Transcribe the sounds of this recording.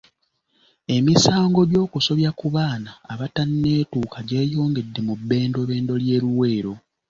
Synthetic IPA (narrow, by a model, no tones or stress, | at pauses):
e̞misaːŋɡo̞ɟo̞ːkuso̞βjakuβaːnaːβatanːe̞ːtuːkaɟe̞ːjo̞ːŋɡe̞dːe̞mubːe̞ːndo̞βe̞ːndo̞lje̞ːɾuwe̞ːɾo̞